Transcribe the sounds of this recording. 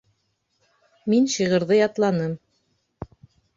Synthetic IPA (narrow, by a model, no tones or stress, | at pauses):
minʃiʁɤ̆ɾðɤjɑt̪lˠɑnɤm